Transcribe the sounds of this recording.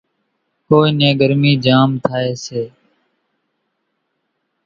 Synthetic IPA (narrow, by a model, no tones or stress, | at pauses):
koːiːnẽːɡəɾmiːd͡ʒaːmt̪ʰaːeːseː